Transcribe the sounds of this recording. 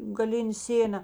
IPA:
ɡɐˈlʲɪnʲeː ˈsʲeːnɐ

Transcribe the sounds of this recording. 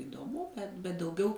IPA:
ɪdoːˈmʊ ˈbʲɛt bʲɛt dɐʊˈɡʲɛʊ

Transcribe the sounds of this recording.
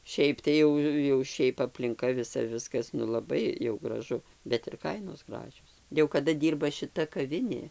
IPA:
ˈʃʲɛɪp tɐɪ ˈjɛʊ jɛʊ ˈʃʲɛɪp ɐpʲlʲɪŋˈkɐ ʋʲɪˈsɐ ˈʋʲɪskɐs nʊ lˠɐˈbɐɪ jɛʊ ɡrɐˈʒʊ bʲɛt ɪr ˈkɐɪnoːs ˈɡrɑːʒʲoːs jɛʊ kɐˈdɐ ˈdʲiːrbɐ ʃʲɪˈtɐ kɐˈʋʲɪnʲeː

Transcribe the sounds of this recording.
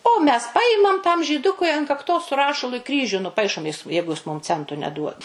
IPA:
oː mʲɛs ˈpɑːjɪmɐm tɐm ʒʲiːˈdʊkʊɪ ɐn kɐkˈtoːs sʊ ˈrɑːʃɐlˠʊ ɪ ˈkrʲiːʒʲʊ nʊˈpɐɪʃoːm ˈjɪs ˈjɛɪɡʊ ˈjɪs ˈmʊm ˈt͡sʲɛntʊ nʲɛˈduɔt

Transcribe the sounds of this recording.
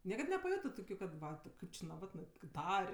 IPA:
ˈnʲiɛkɐt nʲɛpɐˈjoːtɜ ˈtoːkʲʊ kɐt ˈʋɐ tʲɪ ˈkɐɪp t͡ʃʲɪ nɐˈʋɑːtnɜ kɐɪp ˈtɐrʲ

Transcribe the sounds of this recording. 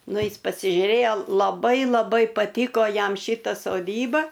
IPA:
ˈnʊ ˈɪs pɐsʲɪʒʲʊˈrʲeːjoː lˠɐˈbɐɪ lˠɐˈbɐɪ pɐˈtʲiːkoː ˈjɛm ˈʃʲiːtɐ soːˈdʲiːbɐ

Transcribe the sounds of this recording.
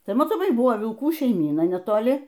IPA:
ˈtɐɪ mɐtoːˈmɐɪ ˈbʊʋoː ʋʲɪlˠˈkuː ʃʲɛɪˈmʲiːnɐ nʲɛtoːˈlʲɪ

